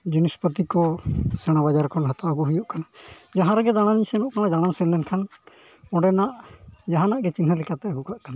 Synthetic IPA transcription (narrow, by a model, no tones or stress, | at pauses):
d͡ʒunispət̪ikɔsɛɽ̃abad͡ʒaɾkʰɔnɦat̪aɡuɦujuʔkanad͡ʒaɦãɾɛɡɛd̪aɽ̃aniɲsɛnɔʔkanad͡ʒaɽ̃ansɛllɛnkʰan | ɔɖɛnaʔd͡ʒaɦãnaʔɡɛt͡ʃinɦəlɛkat̪ɛəɡukaʔkana